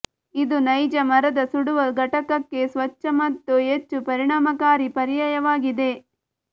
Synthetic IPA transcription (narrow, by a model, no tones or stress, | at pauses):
id̪unɐjd͡ʒɐmɐɾɐd̪ɐsuɽuʋɐɡʱɐʈɐkɐkːe̞sʋɐt͡ʃːɐmɐt̪ːuet͡ʃːupɐɾiɳaːmɐkaːɾipɐɾijɐjɐʋaːɡid̪e̞